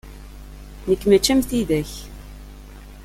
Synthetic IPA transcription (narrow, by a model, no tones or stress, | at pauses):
nəkːmæt͡ʃːæmθiðæç